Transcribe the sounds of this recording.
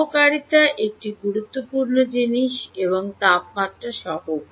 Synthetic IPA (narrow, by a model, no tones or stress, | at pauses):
okaɾit̪aʔek̚ʈiɡuɾut̪ːopuɾnod͡ʑiniʃeβoŋt̪ap̚mat̪ːɾaʃɔɦo